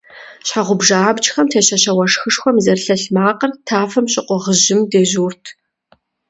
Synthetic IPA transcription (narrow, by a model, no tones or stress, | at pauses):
ɕħaʁʷʊbʒaaːbt͡ʃxɐmtʰeːɕɐɕɐwɐʂxɨʂxʷɔmzɐrɬɐɬmaːqɐrtʰaːfɐmɕʼɪqʷɔʁəʑɪmdeːʑuːrtʰ